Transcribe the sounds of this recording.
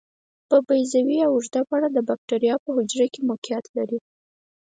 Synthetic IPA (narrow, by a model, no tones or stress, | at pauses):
pəbajzawiawuʒd̪apɑɽad̪əbak̚ʈaɾjɑpəhʊd͡ʒɾakemʊkijɑt̪laɾi